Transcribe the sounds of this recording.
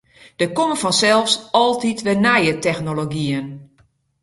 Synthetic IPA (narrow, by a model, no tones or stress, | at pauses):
d̥əkoməfɔnsɛlˠfsɔlˠtitʋɛnɛjətɛxnoloɡiən